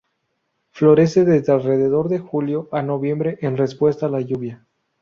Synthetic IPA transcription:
flo̞ɾe̞se̞ðe̞zd̪ealre̞ðe̞ðo̞ɾðe̞xuljo̞ʔano̞βje̞mbɾe̞ʔenre̞spwe̞st̪alaʝuβja

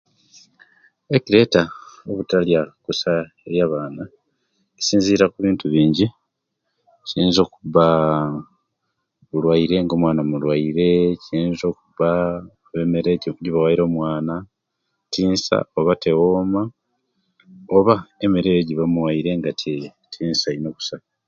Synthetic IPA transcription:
eciɾe̞ːtaoβutaljakusaeɾjaːβaːna | esiːnziːɾakuβiːntuβiːɲɟi | ciːnzo̞ːkuβa | βulwaiɾe̞ŋɡo̞ːmwaːnamulwaiɾe̞ciːnzo̞ːkuβaoβemeɾeɟiɟiβawaiɾo̞ːmwaːna | tiːnsa̰oβate̞woːma | o̞βaemeɾe̞ɟiβamuwaiɾe̞ŋɡatʰetʰiːnsaino̞ku̥sa

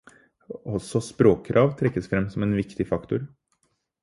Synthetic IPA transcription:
ɔsɔspɾoːkʰɾʔɑːʋt̪ʰɾɛkːəsfɾɛmːsɔmeːnʋɪkt̪ɪfɑkt̪ʊɾ

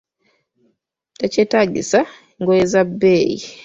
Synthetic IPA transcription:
tat͡ʃetaɟḭsa | ŋɡojezabeḭ

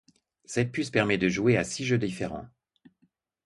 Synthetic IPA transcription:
sɛt̪̚pyspɛʁmɛd̪əʒueasiʒød̪ifeʁɑ̰̃

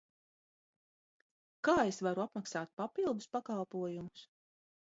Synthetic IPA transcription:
kaːesvaɾuapmaksaːt̪̚papilˠd̪uspakalˠpuɔjumʊs

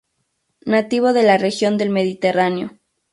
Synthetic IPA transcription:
nat̪iβ̞o̞ðe̞larexjo̞nd̪e̞lme̞ðit̪eraneo̞

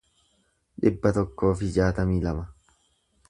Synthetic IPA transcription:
ᶑɪbːɐt̪ɔkːo̞ːfɪd͡ʒaːt̪ɐmiːlɐmɐ

